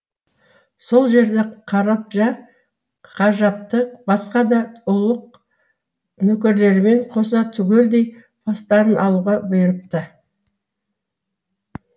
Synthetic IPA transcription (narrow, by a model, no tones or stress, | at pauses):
so̞lˠʒe̞ɾd̪e̞qʰɑɾɑp̚ʒɑ | qʰɑʒɑp̚t̪əqbɑsqɑd̪ɑʊlˠəq̚ | nɵkʲɪɾle̞ɾɪme̞ɴqʰo̞sɑt̪ʰʏɡʲe̞ld̪e̞j | pʰɑst̪ɑɾənʔɑlˠuʁɑbjəɾəp̚t̪ə